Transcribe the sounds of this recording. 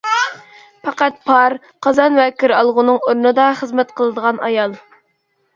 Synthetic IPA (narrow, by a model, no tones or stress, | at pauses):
pʰɑqæt̪̚pʰɑɾ | qʰɑzɑnvɛkʰʲiɾɑlˠʁʊnɨŋoɾnɨd̪ɑχəzmɛt̪qʰəlˠəd̪əʁɑnɑjɑlˠ